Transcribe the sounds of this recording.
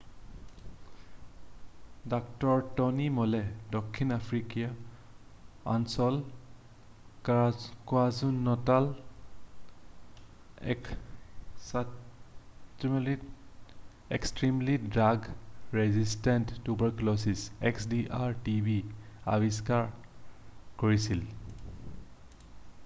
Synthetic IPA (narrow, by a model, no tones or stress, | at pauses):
daktɔɹtɔnimɔlɛdɔkʰːinapʰɹikia | a̰nsɔl | kwazunːɔtal | k | sa | tli | ekstɹimlidɹaɡɹɛzistɛntːubəɹklɔsiseksdiʔaɹtibia̰biskaɹ | kɔɹisil